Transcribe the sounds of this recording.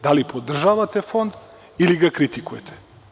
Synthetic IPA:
d̪alipʰod̪r̩ʒavat̪ɛfond̪ | iliɡakɾit̪ikuɛt̪ʰɛ̥

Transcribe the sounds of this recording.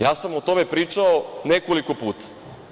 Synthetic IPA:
jaːsamot̪o̞me̞pɾiːt͡ʃaonekoliko̞puːt̪ḁ

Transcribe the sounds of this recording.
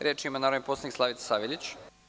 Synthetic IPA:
ɾʲʔjet͡ʃimanaːɾoʋneposanikslˠaʋit̪sḁsaːʋelʲit͡ɕ

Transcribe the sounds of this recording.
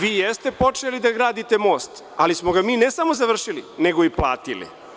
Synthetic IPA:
ʋiːjest̪e̞po̞t͡ʃelid̪aɡɾaːd̪it̪e̞mo̞ːst̪ | alismoɡamiːnesamo̞zaʋr̩ʃilineɡoipla̰ːt̪ilḭ

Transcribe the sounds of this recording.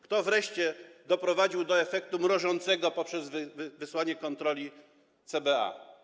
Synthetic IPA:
kt̪ɔvɾɛʂt͡ɕɛd̪ɔpɾɔvad͡ʑiwd̪ɔɛfɛk̚t̪umɾɔʐɔnt̪sɛɡɔpɔpʂɛzvvvɘswaɲɛkɔnt̪ɾɔlʲi | t̪sɛbɛa̰

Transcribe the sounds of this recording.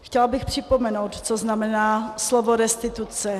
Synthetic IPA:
xcɛlbɪxpr̥ɪpomɛnowt̪t͡soznamɛnaːslovoɾɛst̪ɪt̪ut͡sɛ

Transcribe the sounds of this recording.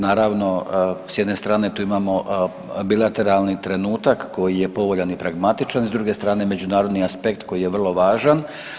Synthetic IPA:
naːɾaʋno̞sjed̪ne̞st̪ɾaːne̞t̪uːimaːmo̞ | bilˠat̪e̞ɾalˠnit̪ɾe̞nuːt̪akːo̞jijepo̞ʋoʎanipɾaɡmat̪it͡ʃanzd̪ɾuːɡe̞st̪ɾaːne̞me̞d͡ʒunaːɾod̪niaspe̞kt̪ko̞jijeʋr̩lˠo̞ʋaːʒan

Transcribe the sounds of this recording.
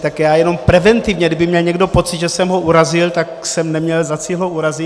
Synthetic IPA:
t̪akjaːjɛno̞mpɾɛvɛnt̪ivɲɛɡdɪbɪmɲɛlɲɛɡdo̞po̞t̪t͡sɪd̪ʒɛsɛmɦoʔuɾazɪlt̪aksɛmnɛmɲɛlzat͡silɦoʔuɾazɪ

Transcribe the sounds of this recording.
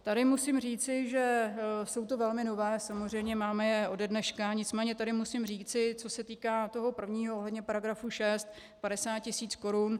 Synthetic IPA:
t̪adɪmusɪmr̝iːt͡sɪʒɛso̞wt̪o̞vɛlmɪno̞vɛːsamozr̝ɛjmɲɛmaːmɛjɛʔo̞dɛdnɛʃkaɲɪt͡smɛːɲɛt̪adɪmusɪmr̝iːt͡sɪt͡so̞sɛt̪iːkaːt̪o̞ɦo̞pr̩vɲiːɦooɦlɛdɲɛpaɾaɡɾafuʃɛst̪ | paɾɛsaːt̪̚cɪsiːt͡sko̞ɾun

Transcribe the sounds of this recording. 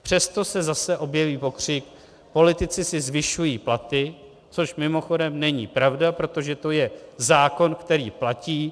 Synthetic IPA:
pr̝̥ɛst̪o̞sɛzasɛʔo̞bjɛviːpo̞kr̝̥ɪk | po̞lɪt̪ɪt͡sɪsɪzvɪʃujiːplat̪ɪ | t͡so̞ʃmɪmo̞xo̞dɛmnɛɲiːpɾavdapɾo̞t̪o̞ʒɛt̪o̞jɛzaːko̞nkt̪ɛɾiːplaciː

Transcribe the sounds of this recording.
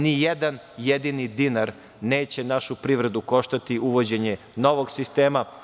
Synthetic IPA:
nijed̪an | jed̪inid̪inaɾ | neːt͡ɕe̞naʃupɾiʋɾed̪uko̞ʃt̪at̪iʔuʋod͡ʑe̞ɲe | no̞ʋo̞ɡsist̪e̞ːma

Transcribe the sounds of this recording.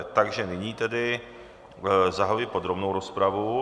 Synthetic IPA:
t̪aɡʒɛnɪɲiːt̪ɛdɪ | zaɦlɪpo̞d̪ɾobnowɾospɾavu

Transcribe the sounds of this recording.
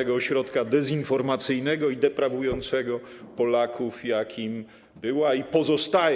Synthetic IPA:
ɛɡɔːɕɾɔt̪kad̪ɛzinfɔɾmat̪sɘjnɛɡɔid̪ɛpɾavujɔnt̪sɛɡɔ | pɔlakʰufjakʲʰim | bɘwaipɔzɔst̪ajɛ

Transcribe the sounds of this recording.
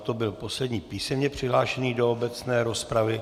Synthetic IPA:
t̪o̞bɪlpo̞slɛdɲiːpiːsɛmɲɛpr̝̥ɪɦlaːʃɛniːdo̞obɛt͡snɛːɾo̞spɾavɪ

